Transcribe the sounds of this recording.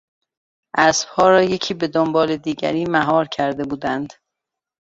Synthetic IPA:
ʔæsb̥hɒːɾɒːje̞cʰiːbe̞d̪ombɒːled̪iːɟæ̰ɾiːmæɦɒːɾcʰæɾd̪e̞buːd̪ænd̪̥

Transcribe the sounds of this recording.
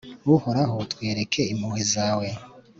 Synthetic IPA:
wuhoɾaɦotkweːɾekʰe̞imhuːhizaːwe

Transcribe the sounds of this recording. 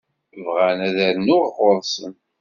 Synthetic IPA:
vʁænæðæɾnːʊʁʁoɾˤsən

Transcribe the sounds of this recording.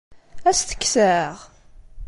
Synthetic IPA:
æsθə̥kːsəʁ

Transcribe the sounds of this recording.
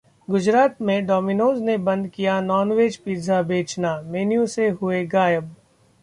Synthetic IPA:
ɡʊd͡ʒɾaːt̪mẽɖɔːminoːznebɐ̃nd̪kijanɔːnʋeːd͡ʒpiːzʱabeːt͡ʃnameːnijũseɦʊeɡaːjəb

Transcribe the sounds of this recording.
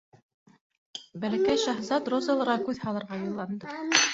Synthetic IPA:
bælækæjʃɑɦzɑt̪rozɤ̆lˠɤ̆ɾɑkʉðhɑlˠɤ̆ɾʁɑjɤ̆lˠːɑnd̪ɤ

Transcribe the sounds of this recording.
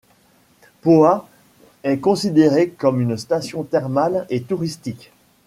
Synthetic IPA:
poa | ɛkɔ̃sid̪eʁekɔmynst̪asjɔ̃t̪ɛʁmalet̪uʁist̪ik

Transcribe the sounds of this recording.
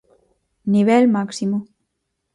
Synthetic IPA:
niβ̞elmaksimo

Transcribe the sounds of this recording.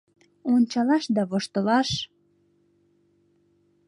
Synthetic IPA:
onʲt͡ɕɑlɑʃd̪ɑβoʃt̪ə̆lɑʃ

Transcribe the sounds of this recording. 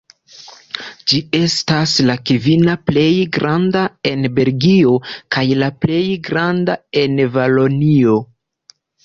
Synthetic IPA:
d͡ʒie̞staslakivinaple̞jɡɾandae̞nbe̞lɡio̞kajlaple̞jɡɾandae̞nvalonio̞

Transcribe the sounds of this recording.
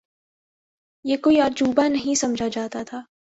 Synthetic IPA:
jeːkoːiaːɾd͡ʒuːbanɐɦĩsɐmd͡ʒʱad͡ʒaːt̪at̪ʰaː

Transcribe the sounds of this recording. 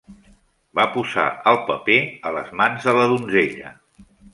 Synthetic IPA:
bapuza̰əlˠpəpeələzmanzðələðunzeʎə̰

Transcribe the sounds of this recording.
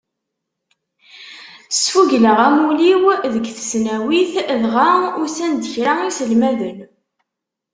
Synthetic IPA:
sfuʝləʁæmuliwðəɡθə̥snæwiθðʁaʊɾsænd̪əçɾaisəlmæðən

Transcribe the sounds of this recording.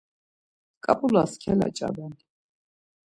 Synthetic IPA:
kʼapʼulaskʰɛla̰t͡ʃʼa̰bɛnd̪

